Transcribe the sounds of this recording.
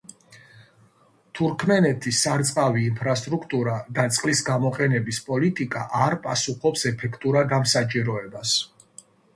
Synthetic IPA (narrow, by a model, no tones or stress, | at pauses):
t̪ʰuɾkʰmɛnɛt̪ʰisaɾt̪sʼqʼaviːmpʰɾast̪ʼɾukʰt̪ʼuɾad̪at̪sʼqʼlisɡamɔqʼɛnɛbispʼɔlit̪ʼikʼaʔaɾpʼasuχɔpsɛpʰɛkʰt̪ʼuɾaɡamsat͡ʃʼiɾɔɛbas